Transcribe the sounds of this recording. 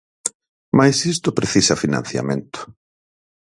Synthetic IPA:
majsist̪ʊpɾeθisɐfina̰n̟θja̰mẽnt̪ʊ̥

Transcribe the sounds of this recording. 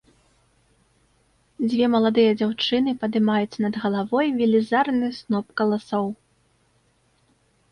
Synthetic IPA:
d͡zʲvʲɛmɐlˠad̪ɨjɐd͡zʲawt͡ʂɨnɨpɐd̪ɨmajut͡sʲnɐd̪ɣɐlˠavɔjvʲilʲizarnɨsnɔpkɐlˠasɔw

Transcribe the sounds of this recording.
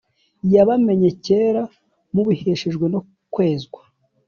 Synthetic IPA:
jaβame̞ɲe̞ce̞ːɾa | muβiheʃeʒɡwe̞no̞ | kwe̞ːzɡwḁ

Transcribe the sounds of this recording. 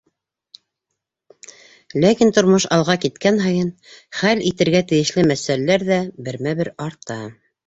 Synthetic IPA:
lækint̪ŏɾmoʃɑlˠʁɑkit̪kænɦɑjɤnχælit̪ɘ̆ɾɡæt̪ɘ̆jɘ̆ʃlɘmæsælælæɾðæbɘ̆ɾmæβɘɾɑɾt̪ɑ

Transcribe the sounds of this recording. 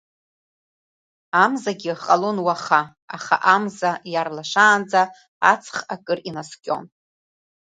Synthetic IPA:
amzaɡʲɪqʼalonwaχa | aχa̰ʔamzajarlaʂaːnd͡za | at͡sʰχakʼɨrinaskʲʼo̞̰n

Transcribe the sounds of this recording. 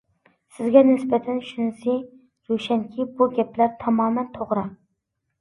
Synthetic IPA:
sɪzɡʲɛnɪsbɛt̪ʰɛnʃynsɪ | ɾoʃɛŋkʲʰibuɡʲɛplæɾt̪ʰɑmɑːmɛnt̪ʰoʁɾɑ

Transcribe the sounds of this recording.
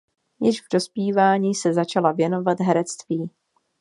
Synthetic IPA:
jɪʒvdo̞spiːvaːɲiːsɛzat͡ʃalavjɛno̞vat̪ɦɛɾɛt͡st̪viː

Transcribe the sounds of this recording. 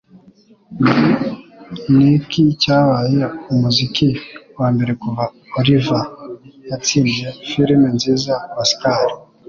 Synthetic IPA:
nikʰicaːβajeumuzikiwaːmbe̞ɾe̞kuva | olivajat͡siːndjefiɾimenziːzawasi̥kaːɾi

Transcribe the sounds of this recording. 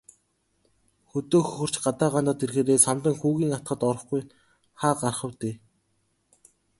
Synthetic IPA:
xɵt̪oːxɵxɵ̆r̥t͡ɕɢat̪aːʁant̪aːt̪erxeːɾeːsamt̪ə̆ŋxuːɣiːŋat̪̚ɢə̆t̪ɔɾɞ̆χɡuj | χaːɢarχə̆wt̪eː

